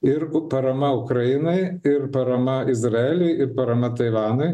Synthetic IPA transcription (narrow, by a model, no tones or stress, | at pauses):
ɪɾpɐɾɐmɐʊkɾɐjɪnɐɪɪrpɐɾɐmɐɪzɾɐɛːlʲɛɪɪɾpɐɾɐmɐt̪ɐɪʋɑːnɐɪ